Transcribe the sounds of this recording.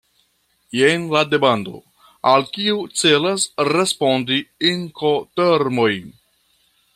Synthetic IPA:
jenlade̞bando̞̰ | alkiut͡se̞lasɾespo̞ndiiŋkoteɾmo̞j

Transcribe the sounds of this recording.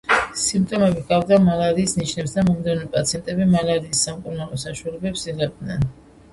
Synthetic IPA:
simpt̪ʼɔmɛbiɡavd̪amalaɾiːsniʃnɛpsd̪amɔmd̪ɛnmɛpʼat̪sʰiɛnt̪ʼɛbimalaɾiːsːamkʼuɾnaɾɔsaʃwalɛbɛpsiʁɛb̚d̪nɛn

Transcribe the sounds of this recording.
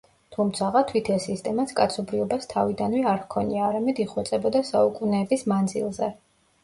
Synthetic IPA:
t̪ʰumt̪sʰaʁat̪ʰwit̪ʰɛsist̪ʼɛmat̪sʰkʼat̪sʰɔbɾiɔbast̪ʰa̰vid̪anwɛaɾvkʰɔniaːɾamɛd̪iχwɛt̪sʼɛbɔd̪asaukʼunɛːbismand̪zḭlˠzɛ

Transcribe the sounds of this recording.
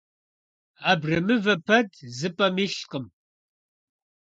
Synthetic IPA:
aːbrɐmɨvɐpʰɐdzɨpʼɐmiɬqəm

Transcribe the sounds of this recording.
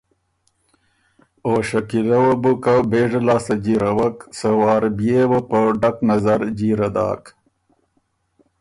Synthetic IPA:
oːɕɐkilɐwɐbukabeːʐɐlaːsɐd͡ʑiɾɐwɐksɐwɑːɾbjeːwɐpəɖɐknɐzɐɾd͡ʑiːɾɐd̪a̰ːk

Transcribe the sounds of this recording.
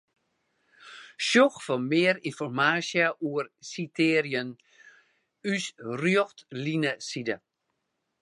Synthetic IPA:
ʃjoxfɔmɪːəɾinfɔrmaːsjəʔuərsitʰeːrjən | ysrjoxtlinəsidə

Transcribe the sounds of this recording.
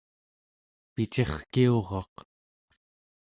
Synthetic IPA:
pit͡ʃe̞χkio̞ʁɑq

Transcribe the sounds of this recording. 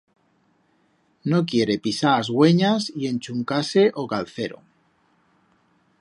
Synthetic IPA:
no̞k̬je̞ɾe̞pisaːzɣwe̞ɲasie̞nt͡ʃuŋkase̞ʔokalθe̞ɾo̰

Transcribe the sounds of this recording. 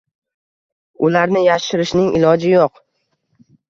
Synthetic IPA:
ʊlaɾnɪjaʃɪɾɪʃnɪŋɪ̰lɒd͡ʒɪjoq

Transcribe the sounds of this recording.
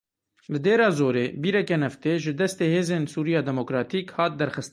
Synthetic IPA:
lɨd̪eːɾɑːzoːɾeːbiːɾɛkɛnɛft̪eːʒɪd̪ɛst̪eːheːzeːnsuːɾijɑːd̪ɛmoːkɾɑːt̪iːkhɑːt̪̚d̪ɛɾxɨst̪

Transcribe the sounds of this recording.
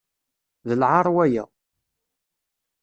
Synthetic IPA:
ðəlʕɑɾˤwæjæ̰

